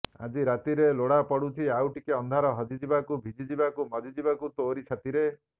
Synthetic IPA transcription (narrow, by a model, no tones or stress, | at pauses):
a̰d͡ʒiɾat̪iɾeloɽapɔɽut͡ʃ̪ʰiawʈikeɔnd̪ʱaɾɔɦɔd͡ʒid͡ʒibakubʱid͡ʒid͡ʒibakumɔd͡ʒid͡ʒibakut̪oɾit͡ʃʰat̪iɾe